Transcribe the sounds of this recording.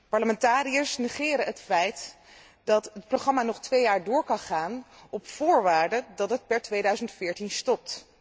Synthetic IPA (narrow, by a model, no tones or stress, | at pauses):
pɑɹləmɛntaːɾijəɹsnɛχɪːɾəɦətfɛjt | dɑtɦət̚proχrɑmaːnɔχtʋejaːɹdʊːɹkɑnχaːnɔpfʊːɹʋaːɹdədɑtɦət̚pɛɹtʋejdœɥzəntfɪːɹtinstɔp̚t